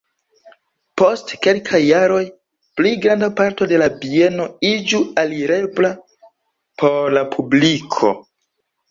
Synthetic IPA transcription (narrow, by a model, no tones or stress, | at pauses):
po̞stke̞lkʰajːaɾo̞j | plijɡɾandapaɾto̞de̞labie̞no̞id͡ʒualiɾe̞bla | pʰo̞ɾlapʰublikʰo̞̰